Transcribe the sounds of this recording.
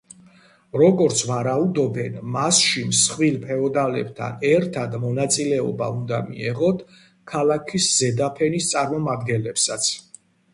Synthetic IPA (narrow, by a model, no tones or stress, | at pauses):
ɾɔɡɔɾt̪sʰvaɾaud̪ɔbɛnmasʃimsχwilpʰɛɔd̪alɛ̰b̚t̪ʰa̰nɛɾt̪ʰad̪mɔnat̪sʼilɛɔ̰ba̰und̪amḭɛʁɔt̪ʰ | kʰalakʰiszɛd̪apʰɛnist̪sʼaɾmɔmad̪ɡɛnlɛpsat̪sʰ